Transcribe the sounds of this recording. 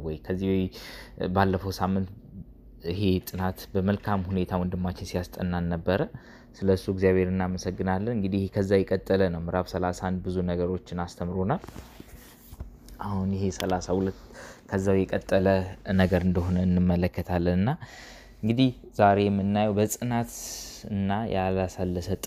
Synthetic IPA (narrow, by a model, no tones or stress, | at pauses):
wɔjkʰəzːiwjbalːəfəwsamːɨnt̪ | ɪɦe̞t̪ʼɨnat̪bəməlkʰamhune̞t̪ʰawɨnd̪ɨmːat͡ʃɪnsijast̪ʼənːanːəbːəɾə | sɨləsːuɪɡzijaβhe̞ɾɨnːaməsəɡːɨnalːənɨŋɡɨd̪ihhekʰəzːawjɛkʼət̪ʼːələnəwmɨɾaβsəlasand̪bɨzunəɡəɾo̞t͡ʃːɪnast̪ʰəmɾonaw | ʔahunjɪhe̞səlasahulət̪ːkʰəzːawjɛkʼət̪ʼːələnəɡəɾɨnd̪əɦo̞nənːɨmːələkːət̪ʰalːənɨnːa | ʔɨŋɡɨd̪ihzaɾe̞jɛmːɨnːajɛwbəsʼɨnat̪ɨnːajalasalːəsət̪ʼ